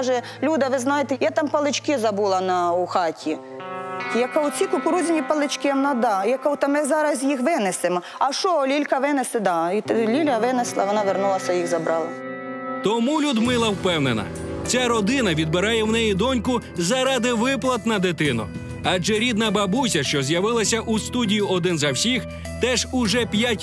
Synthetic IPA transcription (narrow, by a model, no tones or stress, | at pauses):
ʒɛ | lʲud̪ɐʋɪznɑjet̪ɛjɛt̪ɑmpɐlˠɪt͡ʃkɪzɐbulˠɐnɐʊxɑtʲʰi | jɐkaʊt͡sʲikʊpʊɾuzʲɪnʲipɐlˠɪt͡ʃkɪɐnɑd̪ɑjɐkawt̪ɐmɪzɑɾɐzjixʋɪnɪsɪmɔ | ɐʃɔlʲilʲkɐʋɪnesɪd̪ɑilʲilʲɐʋɪneslˠɐʋɔnɑʋernulˠɐsʲɐjixzɐbɾɑlˠɐ | t̪ɔmulʲud̪mɪlˠɐwpɛwnenɐ̰ | t͡sʲaɾɔd̪ɪnɐʋʲid̪̚bɪɾɑjɛwnɛjid̪ɔnʲkʊzɐɾɑd̪ɪʋɪplˠɐt̪nɐd̪ɪt̪ɪnʊ̰ | ɑd͡ʒɛɾʲid̪nɐbɐbusʲɐʃt͡ʃɔzʲjɐʋɪlˠɐsʲɐʔust̪udʲijiʔɔd̪ɪnzɐwsʲix | t̪ɛʒʊʒɛpʲjatʲ